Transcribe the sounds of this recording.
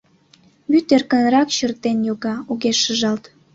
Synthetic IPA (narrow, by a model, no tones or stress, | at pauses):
βyt̪erkə̆nɾɑkɕərt̪enjoɣɑoɣeʃəʒɑlt̪